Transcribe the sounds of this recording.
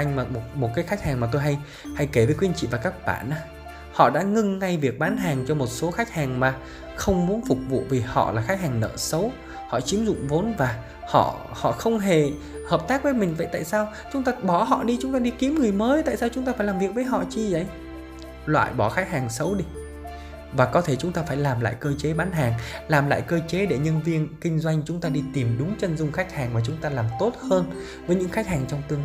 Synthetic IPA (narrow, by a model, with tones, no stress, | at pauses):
ʔa˧jŋ̟maː˨˩mo˨˩t̚mo˨˩t̚kaː˨˦jxa˦˥k̟̚haː˨˩ŋma˨˩t̪o˧jɦa˧j | ha˧jke˧˩vəː˨˦jkwi˧ənt͡ɕḭ˧˨vaː˨˩kaː˦˥k̚ɓa̰ː˧˩nʔaː˧˦ | hɔ̰˧˨ɗa̰ː˧˥ŋɨ˧ŋːa˧jvi˨˩ək̚ɓaː˨˦nɦaː˨˩ŋt͡ɕɔ˧mo˨˩t̚so˨˦xa˦˥k̟̚haː˨˩ŋmaː˨˩ | xə˧wŋ͡mmu˨˦ənfʊ˨˩k͡p̚vṵ˧˨vi˨˩hɔ̰˧˨laː˨˩xa˦˥k̟̚haː˨˩ŋnə̰ː˧˨sə˨˦w | hɔ̰˧˨t͡ɕi˨˦əmzʊ̰˧˨ŋ͡mvo˨˦nvaː˨˩ | hɔ̰˧˨hɔ̰˧˨xə˧wŋ͡mɦe˨˩ | həː˨˩p̚t̪aː˦˥k̚vəː˨˦jmï˨˩ŋ̟və̰˧˨jt̪a̰ː˧˨jsaː˧wt͡ɕʊ˨˦ŋ͡mt̪aː˧ɓɔ˧˩ɦɔ̰˧˨ɗi˧t͡ɕʊ˨˦ŋ͡mt̪aː˧ɗi˧ki˨˦əmŋɨ˨˩əjməː˨˦jt̪a̰ː˧˨jsaː˧wt͡ɕʊ˨˦ŋ͡mt̪aː˧faː˧˩jlaː˨˩mvi˨˩ək̚vəː˨˦jɦɔ̰˧˨t͡ɕi˧zə˨˦j | lwa̰ː˧˨jɓɔ˧˩xa˦˥jk̚haː˨˩ŋsə˨˦wɗi˧ | vaː˨˩kɔ˨˦t̪ʰe˧˩t͡ɕʊ˨˦ŋ͡mt̪aː˧faː˧˩jlaː˨˩mla̰ː˧˨jkəː˧t͡ɕe˨˦ɓaː˨˦nɦaː˨˩ŋlaː˨˩mla̰ː˧˨jkəː˧t͡ɕe˨˦ɗe˧˩ɲə˧nvi˧ənkï˧ŋ̟zwa˧jŋ̟t͡ɕʊ˨˦ŋ͡mt̪aː˧ɗi˧t̪i˨˩mɗʊ˨˦ŋ͡mt͡ɕə˧nzʊ˧ŋ͡mxa˦˥jk̚haː˨˩ŋmaː˨˩t͡ɕʊ˨˦ŋ͡mt̪aː˧laː˨˩mt̪o˦˥t̚həː˧n | vəː˨˦jɲɨ̰˧˥ŋxa˦˥k̚haː˨˩ŋt͡ɕɔ˧wŋ͡mt̪ɨ˧əŋ